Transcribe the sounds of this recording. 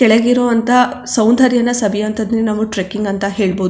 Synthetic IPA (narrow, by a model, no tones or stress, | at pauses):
kɛɭeɡiɾoːɐnt̪ʰɐsɐwnd̪ʱɐɾjɐnːɐsɐbijɐnt̪ɐd̪ninɐmːuʈɾekːiŋɡɐnt̪ɐɦe̞ːɭboːd̪